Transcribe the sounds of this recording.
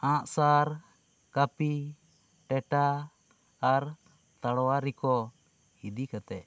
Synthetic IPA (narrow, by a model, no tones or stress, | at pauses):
ãʔsaɾ | kapi | ʈɛʈaː | ɾ | t̪aɽɔwaɾikɔ | hid̪ikat̪ɛ̰ʔ